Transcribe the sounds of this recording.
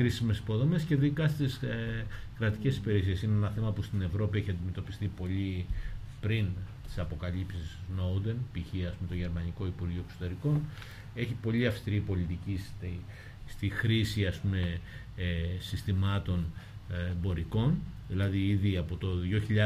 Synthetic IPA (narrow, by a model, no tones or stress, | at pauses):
ɾisime̞si̥po̞ðo̞me̞sce̞ðikɐst̪is | kɾɐt̪ice̞si̥peɾesie̞sineenɐθe̞mɐpust̪ine̞vɾo̞pieçiɐnd̪ime̞t̪o̞pi̥st̪ipo̞ʎipɾint̪i̥sɐpokɐʎipsisno̞wd̪e̞npiçiɐspume̞t̪o̞ʝe̞ɾmɐniko̞ipuɾʝiuoekso̞t̪e̞ɾiko̞n | e̞çipo̞ʎiɐfst̪iɾipo̞lit̪icist̪i | st̪ixɾisiɐspume̞ | sist̪imɐt̪o̞n | bo̞ɾʔiko̞nðilɐðiiðiɐpo̞t̪o̞ðʝjo̞çiʎɐ